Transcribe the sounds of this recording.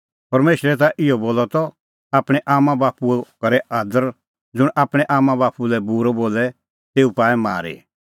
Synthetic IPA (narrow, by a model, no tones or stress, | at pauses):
pɐɾmeːʃɾɛt̪̬aʔɪɔboːlɔt̪ɔ | aːpɽ̃ɛʔaːmãbaːpuɛkɐɾɛaːd̪əɾ | d͡zʊɽ̃ʔaːpɽ̃ɛʔaːmãbaːpulɛbuːɾɔboːlɛ | t̪eːupãːɛma̰ːɾḭ